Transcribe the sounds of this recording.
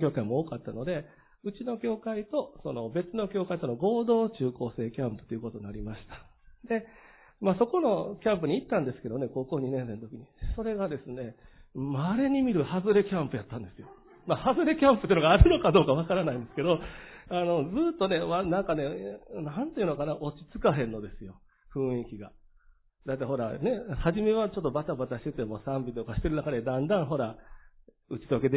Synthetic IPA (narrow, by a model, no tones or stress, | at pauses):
kʲo̞ːkaimo̞oːkat̪ːano̞d̪e̞ | ɯ̟t͡ɕino̞kʲo̞ːkait̪o̞so̞no̞be̞t͡sɨno̞kʲo̞ːkait̪o̞noɡo̞ːd̪o̞ːt͡ɕɨːko̞ːse̞ːkʲãmpɯ̥t̪ːeiɯ̟ko̞t̪o̞ɲnaɾʲimaɕi̥t̪ḁ | d̪̥e̞ | maso̞ko̞no̞kʲãmpɯ̟ɲ̟iit̪ːãnd̪e̞sɨ̥ke̞d̪o̞ne̞ko̞ːko̞ːɲinẽ̞nse̞nt̪o̞kʲiɲ̟iso̞ɾe̞ɡad̪esɨne̞maɾe̞ɲ̟imʲiɾɯ̟hazɨɾe̞kʲãmpɯ̟jat̪ːãnd̪e̞sɨjo̞ | mahazɨɾe̞kʲãmpɯt̪eːiɯnoɡaːɾɯ̟no̞kad̪o̞ːkaβakaɾanaĩnd̪e̞sɨ̥ke̞d̪o̞ano̞d͡zɨːt̪ːo̞ne̞manãŋkane̞nant̪ei̟nokanaʔo̞t͡ɕi̥t͡sɨ̥kaɦẽ̞nːo̞d̪e̞sɨjo̞ | ɸɯ̟̃ɰ̃ikʲiɡa | d̪at̪ːaɦo̞ɾa̰ne̞haʑime̞βat͡ɕo̞t̪ːo̞bat̪abat̪aɕi̥t̪e̞t̪e̞mo̞sãmbʲit̪o̞kaɕi̥t̪e̞ɾɯ̟nakad̪ed̪ãnd̪ãɰ̃ɦo̞ɾa | ɯ̟t͡ɕi̥t̪oke̞d̪e